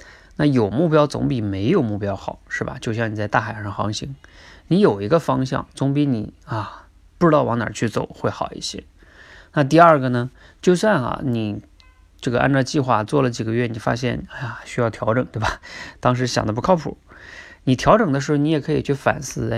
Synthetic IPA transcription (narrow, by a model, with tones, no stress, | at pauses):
na˥˩jo˨˩ʊmu˥˩pjɑ˥ʊt͡sʊ̰˧˥ŋpi˨˩me˧˥ɪjo˨˩ʊmu˥˩pjɑ˥ʊxɑ˨˩˦ʊʂɻ̩˥˩bɐ̰˩t͡ɕjo˥˧ʊɕ̬jɑ˥˩ŋni˨˩t͡sa˥˧ɪt̪a˥˩xa˨˩ʂɑ˥˩ŋxɑ̰˧˥ŋɕi˧˥ŋni˧˥jo˨˩ʊi˧˥ɡə˧fɑ˥ŋɕjɑ̰˥˩ŋt͡sʊ˧˥ŋp̬i˧˥ni˨˩ɐ˧ | pu˥˩ʈ͡ʂɻ̩˧˥t̪ɑ˥˩ʊwɑ˧˥ŋnɑ̰˨˩t͡ɕʰy˥˩t͡so˨˩˦ʊxwe˥˩ɪxɑ˨˩ʊḭ˥˩ɕjɛ̰˧˥ | na˥˧t̪̬i˥˧ə˞˥˩ɡə˩nə˩t͡ɕjo˥˧ʊswa˥˧˩nɐ̰˨˩ni˨˩ | ʈ͡ʂɤ˥˩ɡə˩ʔa̰˥˧nʈ͡ʂɑ˥˧t͡ɕi˥˧xwa˥˧t͡swɔ˥˩lə˩t͡ɕi˨˩ɡə˦ɥɛ˥˩ni˨˩fa̰˥ɕjɛ̰˥˩na˥˩ja˨˩ɕy˥jɑ˥˩ʊt̪ʰjɑ˧˥ʊʈ͡ʂɤ˨˩ŋt̪we˥˩ɪba˨˩t̪ɑ˥ŋʂ̬ɻ̩˧˥ɕjɑ̰˨˩ŋd̪ə˦pu˧˥kʰɑ˥˧pʰṵ˨˩ni˨˩t̪ʰjɑ˧˥ʊʈ͡ʂɤ˨˩ŋd̪ə˦ʂɻ̩˧˥xo˧ni˧˥jɛ˨˩kʰɤ˧˥i˨˩t͡ɕʰy˥˩fa̰˨˩nsɹ̩˥˩˥